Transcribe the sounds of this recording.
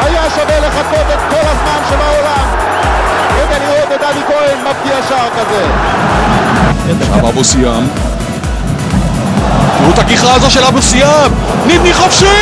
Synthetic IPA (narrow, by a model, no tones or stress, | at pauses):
ajaʃaveleχakot̪et̪̚kolhazmanʃebaolam | ɛd̪aniet̪et̪avikoenmafkiaʃaʁkaze | a̰ma̰bosijam | ut̪akiχaazoʃelabosijam | nid̪niχofʃi